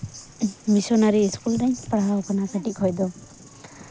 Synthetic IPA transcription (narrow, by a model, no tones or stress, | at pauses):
misɔnaɾiːskult̪aj̃paɽawɔkʰɔnakʰaʈikʰɔjd̪ɔ